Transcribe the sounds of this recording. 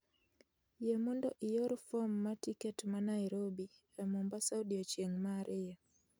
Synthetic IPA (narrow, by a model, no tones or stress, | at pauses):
jemɔndɔ̰ʔɪjoɾfɔmːatikɛtmanaiɾobi | ɛmɔmbasawdiot͡ʃjeŋmaɾʔɪja